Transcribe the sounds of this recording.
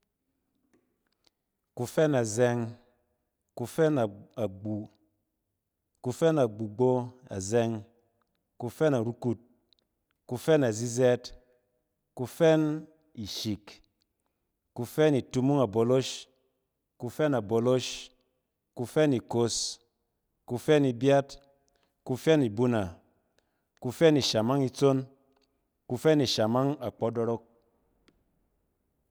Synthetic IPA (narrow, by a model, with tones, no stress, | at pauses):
ku˧fɛ˦na˨zɛ˧ŋ | ku˧fɛ˦na˨a˨ɡ͡bu˨ | ku˧fɛ˦na˨ɡ͡bu˨ɡ͡bo˦a̰˨zɛ˧ŋ | ku˧fɛ˦na˨ɾu˦ku˧t̚ | ku˧fɛ˦na˨zi˦zɛ˦t | ku˧fɛ˦n | i˨ʃi˨k | ku˧fɛ˦ni˨tu˧mu˦ŋa˨bo˨lo˦ʃ | ku˧fɛ˦na˨bo˨lo˦ʃ | ku˧fɛ˦ni˨ko˧s | ku˧fɛ˦ni˧bja˦t | ku˧fɛ˦ni˨bu˦na˨ | ku˧fɛ˦ni˨ʃa˨ma˦ŋi˧t͡so˦n | ku˧fɛ˦ni˨ʃa˨ma˦ŋa˨k͡pɔ˨˦do˧ɾo˦k̚